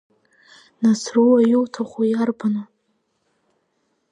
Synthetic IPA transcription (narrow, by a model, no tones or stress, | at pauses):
nasruwajuwtʰaχʷujarbano